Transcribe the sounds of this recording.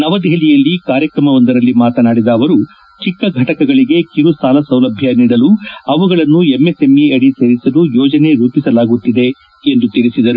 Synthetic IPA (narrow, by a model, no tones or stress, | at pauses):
nɐʋɐd̪ɛɦilijɐlːikaːɾjɐkɾɐmɐʋɐnd̪ɐɾɐlːimaːt̪ɐnaːɽid̪ɐːʋɐɾu | t͡ʃikːɐɡʱɐʈɐkɐɡɐɭiɡe̞kiɾusaːlɐsɐwlɐbʱjɐniːɽɐluɐʋuɡɐɭɐnːuemːesemiɐɽise̞ːɾisɐlujɔːd͡ʒɐne̞ɾuːpisɐlaːɡut̪ːid̪e̞ | end̪ut̪iɾisid̪ɐɾu